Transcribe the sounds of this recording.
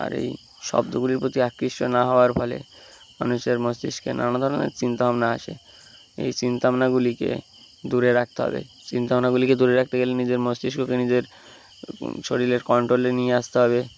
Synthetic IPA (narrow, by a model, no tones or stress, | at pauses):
a̰ɾḛj | ʃɔ̰b̚d̪oɡuliɾpɾot̪iakːɾiʃʈonaɦɔoaɾfɔlḛ | ma̰nuʃeɾmosd̪iʃkḛna̰nad̪ʱɔɾonḛɾt͡ɕint̪oɦamnaa̰ʃḛ | ḛjt͡ɕint̪amnaɡulikḛ | d̪uɾeɾak̚ʰt̪eɦɔ̰bḛt͡ɕint̪aamnaɡuliked̪uɾeɾak̚ʰt̪eɡelenid͡ʑeɾmosd̪iʃɡokenid͡ʑeɾ | ʃʰoɽileɾkɔɳʈɾolenijeaʃt̪eɦɔbe